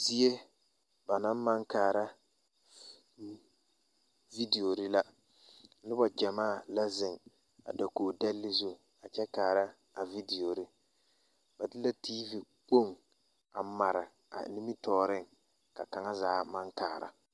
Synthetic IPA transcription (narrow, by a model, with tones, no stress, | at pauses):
zi˦e˦ | ba˨na˦m˦ma˦ŋkaː˨ɾa˦ | vi˦di˨o˨ɾɪ˦la˦ | lɪ˦ba˨d͡ʒa˨maː˦˨la˦zɪ˨ŋ | a̰˨da˨koː˨dɛ˦lːɪ˦zu˦ | a˨t͡ʃɛ˦kaː˨ɾa˦ | a˨vi˦di˨o˨ɾɪ˦ | ba˨dɪ˦la˦tiː˦vi˨ | k͡po˦˨ŋ | a˨ma˨ɾɪ˨ | a̰˨nɪ˦mi˦tɔː˦˨ɾɪ˦˨ŋ | ka˨ka˨ŋa˦zaː˨˦ma˦ŋkaː˨˦˨ɾa̰˨